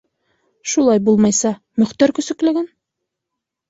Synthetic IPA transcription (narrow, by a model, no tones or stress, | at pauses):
ʃulˠɑjbulˠmɑjsɑ | mɵ̆χt̪æɾkɵ̆sɵ̆klɘ̆ɡɘn